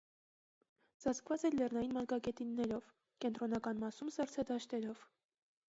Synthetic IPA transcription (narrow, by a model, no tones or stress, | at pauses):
z̥ɑt͡skʰvɑt͡sɛlɛrnɑjinmɑɾkɑkɛt̪inːɛɾɔv | kɛnt̪ɾɔnɑkɑnmɑsumsɑɾt͡sʰɑd̪ɑʃt̪ɛɾɔv